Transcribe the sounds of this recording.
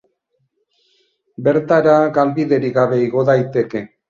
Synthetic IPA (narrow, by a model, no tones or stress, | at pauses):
be̞ɾt̪aɾaɣalbiðe̞ɾiɣaβe̞iɣo̞ðajt̪e̞ke̞